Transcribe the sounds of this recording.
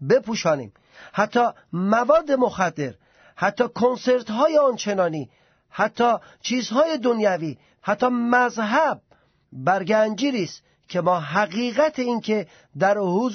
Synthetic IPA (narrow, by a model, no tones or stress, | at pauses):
be̞pʰuːʃɒːnḭːm | hæt̪ʰːɒː | mævɒːd̪ːe̞moxæd̪ːe̞ɾ | hæt̪ʰːɒːkʰonse̞ɾt̪ɦɒːjeɒːnt͡ʃʰe̞nɒːniː | hæt̪ʰːɒː | t͡ʃʰiːzhɒːje̞d̪onjæviː | hæt̪ːɒːmæzɦæb̚ː | æɾɡænd͡ʒiːɾiːst̪ | kʲʰe̞mɒːɦæɣiːɣæt̪ʰeiːnkʰe̞ | d̪æɾhuz